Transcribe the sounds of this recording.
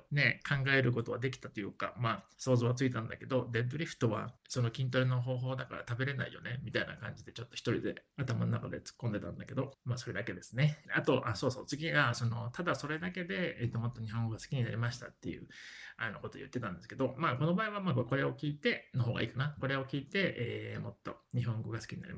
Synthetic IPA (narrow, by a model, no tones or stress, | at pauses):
ne̞kʰãŋɡae̞ɾɯ̟k̬o̞t̪o̞βad̪e̞k̬ʲi̥t̪at̪o̞jɯ̟ːka̰maːso̞ːzoβat͡sɨit̪ãnd̪a̰ke̞d̪o̞d̪e̞d̪oɾʲiɸɯ̥t̪o̞βa̰so̞no̞kʲĩnt̪o̞ɾɯ̟no̞ɦo̞ːɦo̞ːd̪aka̰ɾa̰t̪abe̞ɾe̞na̰ḭjo̞̰ne̞mʲit̪aina̰kã̰ɲ̟d͡ʑid̪e̞t͡ɕo̞t̪ːo̞çʲi̥t̪o̞ɾʲḭd̪e̞̰at̪ama̰nonakad̪e̞̰t͡sɨ̥kːõ̞nd̪e̞t̪ã̰nd̪ake̞d̪o̞maːso̞ɾe̞d̪ake̞d̪e̞sɨne̞at̪o̞ʔaso̞ːso̞̰ːt͡sɨɡʲiɡaso̞no̞t̪ad̪aso̞ɾe̞d̪ake̞d̪e̞ːt̪ːo̞mo̞t̪ːo̞ɲiɦõŋɡo̞ɡasɨ̥kʲiɲ̟ina̰ɾʲimaɕi̥t̪a̰t̪ːe̞jɯ̟̰anoko̞t̪o̞̰jɯ̟t̪ːe̞t̪ãnd̪esɨ̥ked̪o̞maːko̞no̞baːiβamakko̞ɾe̞o̞kʲiːt̪e̞no̞ɦo̞ːɡa̰iːkanako̞ɾe̞o̞kʲiːt̪e̞ʔeːmo̞t̪ːo̞̰ɲ̟iɦõ̞ŋɡo̞ɡasɨ̥kʲiɲinaɾʲḭma